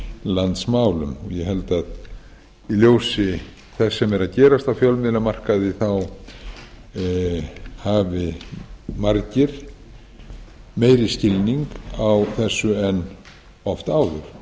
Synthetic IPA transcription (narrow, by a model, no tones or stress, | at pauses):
lant̪smaːwlʏmɔjɛɦɛlt̪að | iljoːwsɪ | θɛsːɛmɛɾaðcɛːɾast̪awfjœlmɪðlamar̥kaðɪθaw | haːvɪ | maɾcɪɾ̥ | meːjɾɪscɪlniŋkawθɛsːʏɛn | ɔft̪aːwðʏɾ̥